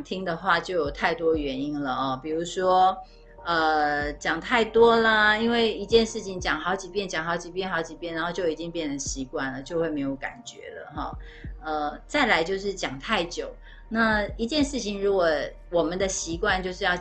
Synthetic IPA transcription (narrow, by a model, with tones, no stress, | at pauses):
t̪ʰi˥ŋd̪ə˨xwa˥˧t͡ɕjo˥˩ʊjo˨˩ʊt̪ʰa˥˩ɪt̪wɔ˥ɥɛ˧˥ni˥nlə˨ɔ˥˩pi˨˩ɻu˧˥ʂwɔ˥ | ə˧t͡ɕjɑ˨˩ŋt̪ʰa˥˩ɪt̪wɔ˥lə˨i˥nwe˥˩ɪi˧˥t͡ɕjɛ˥˧nʂɻ̩˥˩t͡ɕʰi˩ŋt͡ɕjɑ˨˩ŋxɑ˧˥ʊt͡ɕi˨˩pjɛ˥˩nt͡ɕjɑ˨˩ŋxɑ˧˥ʊt͡ɕi˨˩p̬jɛ˥˩nxɑ˧˥ʊt͡ɕi˨˩pjɛ˥˩nɻa˧˥nxo˥˧ʊt͡ɕjo˥˩ʊi˨˩t͡ɕi˥ŋpjɛ˥˩nd̪ə˩ɕi˧˥kwa˥˩nlə˩t͡ɕjo˥˧ʊxwe˥˩ɪme˧˥ɪjo˧˩ʊka̰˨˩nt͡ɕɥɛ̰˧˥lə̰˨xɔ̰˥˩ | ə˧t͡sa˥˩ɪla˧˥ɪt͡ɕjo˥˧ʊʂ̬ɻ̩˥˩t͡ɕjɑ˨˩ŋt̪ʰa˥˩ɪt͡ɕjo˨˩ʊ | na˥˩i˧˥t͡ɕjɛ˥˧nʂɻ̩˥˩t͡ɕʰi˧˥ŋɻu˧˥kwɔ˨˩ | wɔ˨˩mə˦nd̪ə˨ɕi˧˥kwa˥˧nt͡ɕjo˥˧ʊʂɻ̩˥˧jɑ˥˧ʊ